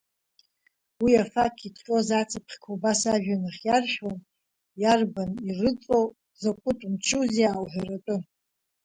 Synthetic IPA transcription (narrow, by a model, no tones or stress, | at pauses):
wiafakʰʼitʰʼqʼozat͡sʰapʰχʲkʰobasaʒᶣanɨχjarʃᶣon | jarbanirɨt͡sʼow | zakʷʰʊtʼmt͡ʃʰuzjaːwħʷaratʷʼɨ